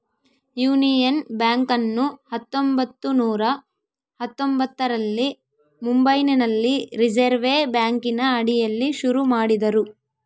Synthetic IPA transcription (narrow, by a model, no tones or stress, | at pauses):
juːnijɐnbjaːŋkɐnːuhɐt̪ːombɐt̪ːunuːɾɐ | hɐt̪ːombɐt̪ːɐɾɐlːi | mumbɐjninɐlːiɾid͡ʒeɾʋeːbjaːŋkinɐɐɽijɐlːiʃuɾumaːɽid̪ɐɾu